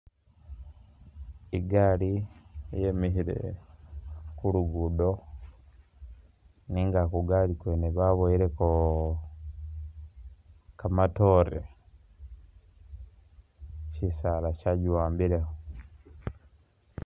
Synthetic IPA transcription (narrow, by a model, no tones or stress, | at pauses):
iɡalijemihiɾḛ | kuɾuɡudo | niŋɡakuɡalikweneβaβojiɾeko | kamatoɾḛ | cisalacaɟiwaːmbiɾeho